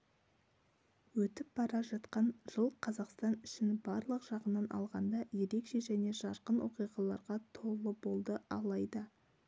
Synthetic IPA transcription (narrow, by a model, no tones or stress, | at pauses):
wɵt̪ɪp̚b̥ɑɾɑʒɑt̪qɑnʒ̥əlˠqʰɑzɑqst̪ɑnʏ̥ʃɪnbɑɾlˠəqʒ̥ɑʁənːɑnʔɑ̰lˠʁɑnd̪ɑje̞ɾe̞kʃe̞ʒæne̞ʒɑɾqənwo̞qijʁɑlˠɑɾʁɑt̪ʰo̞lˠəbo̞lˠd̪əɑlˠɑjd̪ə